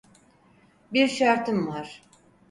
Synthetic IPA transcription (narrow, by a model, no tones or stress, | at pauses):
biɾʃaɾt̪ʰɯmvaɾ̥